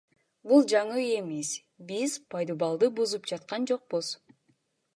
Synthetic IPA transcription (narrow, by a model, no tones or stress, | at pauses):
bulˠd͡ʒɑɴɯe̞miz | biz̥pʰɑjd̪obɑlˠd̪ɯbuzupd͡ʒɑt̪̚qɑnd͡ʒo̞q̚buz̥